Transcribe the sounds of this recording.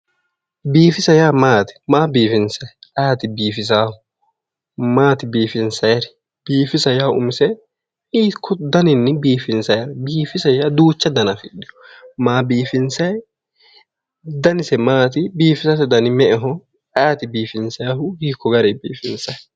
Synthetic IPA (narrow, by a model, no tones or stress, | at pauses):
biːfɪsɐjaːmaːt̪ɪ̥maːbiːfɪnsɐjʔaːt̪ɪbiːfɪs̬aːhʊ | maːt̪ɪbiːfɪnsɐjɐɾɛ | b̥iːfɪsɐjaːʊmsɛ | iːkʰːɔd̪ɐnɪnːɪbiːfɪnsɐjɐɾbiːfɪsɐjaːd̪uːt͡ʃːɐd̪ɐnɐfɪɗɪjɔ̥ | maːbiːfɪnsɐj | d̪ɐnɪsɛmaːt̪ɪbiːfɪsɐsɛd̪ɐnɪmɛʔɛɦɔ | aːt̪ɪbiːfɪnsɐjaɦʊhiːkʰːɔɡɐɾɛbḭːfɪnsɐj